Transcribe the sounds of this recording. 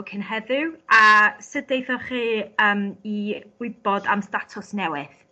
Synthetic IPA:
kʰənɦɛðɪwʔasədejθɔχiːəːmiɡ̥wɪbɔdamstatʰʊsnɛwɪð

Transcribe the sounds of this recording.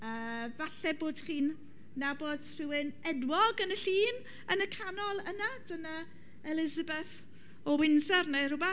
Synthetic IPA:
əːvaɬɛboːd̥χiːnː | aboːd̥r̥ɪwɪnɛdwɔɡənəɬiːn | ənəkʰanɔlˠənad̥əna | ɛlɪzabɛθ | ɔwɪnsɛrner̥ʊba

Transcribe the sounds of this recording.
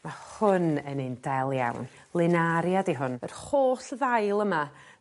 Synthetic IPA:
mahʊnənɨndɛlˠja̰wn | lˠɪnaɾjadiɦʊnərχoːɬəðajlˠəma

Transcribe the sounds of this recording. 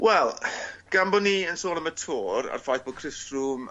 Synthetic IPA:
wɛlˠɡ̥ambɔnːiənsoːnəmətʰoːɾa̰rfajθbɔkʰrɪstruːm

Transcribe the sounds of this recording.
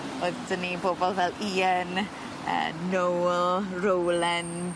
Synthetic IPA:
oːðdənːiboːbɔlˠvɛliːən | ə̰ːnowlrowlɛn

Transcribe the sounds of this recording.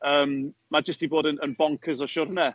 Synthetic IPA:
əːmmad͡ʒəstiboːdənənbɔŋkʰəzɔʃʊːɾənɛ

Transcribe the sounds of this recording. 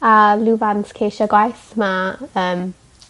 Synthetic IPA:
aluːvanskʰeːʃaɡwajθmaəːm

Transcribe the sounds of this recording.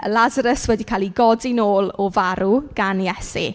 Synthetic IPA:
əlazəɾəswɛdikʰaːliɡɔdinoːlˠɔvaɾuɡ̥anjɛsḭ

